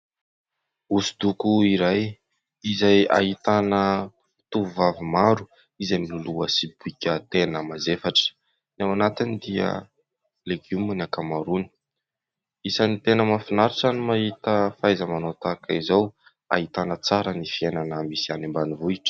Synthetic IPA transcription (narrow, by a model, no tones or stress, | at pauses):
usi̥d̪ukuiɾaj | izaja̰ɦit̪anə | t̪uvuvavimaɾu | izamiluluəsibuikʲət̪enəmazefaʈ͡ʂə̥ | nawanat̪inid̪iə̰ | leɡuminakamaɾuni̥ | isanit̪enəmafinaɾiʈ͡ʂanimaɦit̪əfajzəmanot̪akaizaw | a̰ɦit̪anət͡saɾənifienanəmisianimbanivuiʈ͡ʂə̥